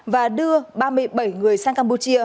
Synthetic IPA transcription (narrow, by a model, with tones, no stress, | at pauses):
vaː˨˩ɗɨ˧əɓaː˧mɨ˧əjɓə˧˩jŋɨ˨˩əjsaː˧ŋkaː˧mpu˧t͡ɕi˧ə